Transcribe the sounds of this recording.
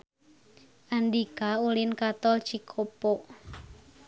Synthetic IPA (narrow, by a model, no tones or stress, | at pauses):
ʔandikaulɪnkat̪ɔlt͡ʃikʰopɔʔ